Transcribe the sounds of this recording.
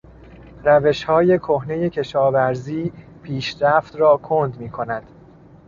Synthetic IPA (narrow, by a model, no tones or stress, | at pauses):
ræve̞ʃhɒːje̞kʰohne̞je̞cʰe̞ʃɒːvæɾziː | pʰiːʃɾæft̪rɒːkʰond̪miːkʰo̞næd̪̥